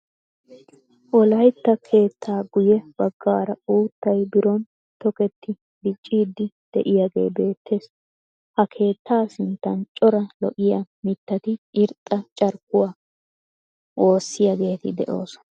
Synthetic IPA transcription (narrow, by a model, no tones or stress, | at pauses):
ʔɔlɐjt̪ːɐkʰe̞ːt̪ʰːaːɡʊjɛb̥ɐɡːaːɾɐuːt̪ːɐjbɪɾɔn | t̪ɔkɛt̪ːɪ | bɪt͡ʃʼːiːd̪ːɪ | d̪̥ɛ̰ʔɪjaɡe̞̰ːbe̞ːt̪ʰːe̞ːs | hɐkʰe̞ːt̪ːaːsɪnt̪ːɐnt͡ʃʼɔɾɐlɔ̰ʔɪjamɪt̪ːɐt̪ɪʔɪɾt̪ʼːɐt͡ʃʼɐɾkːʊwaː | ʔo̞ːsːɪjaɡe̞ːt̪ɪd̪ɛ̰ʔo̞ːsɔ̥